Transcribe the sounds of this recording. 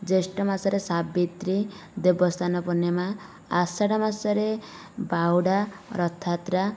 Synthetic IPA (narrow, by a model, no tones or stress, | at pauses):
d͡zesʈɔmasɔɾesabit̪ɾid̪ebɔst̪ʰanɔpɔnemaː | saɽamasɔɾe | bawɽaɾɔt̪ʰːat̪ɾa